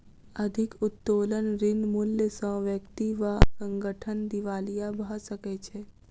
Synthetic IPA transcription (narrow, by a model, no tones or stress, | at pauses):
əd̪ʱɪkʊt̪ːoːlənɾɪnmʊljəsə̃ʋjəkt̪iʋasə̃ŋɡəʈʰənd̪ɪʋaːlijabʱəsəket͡ʃʰeː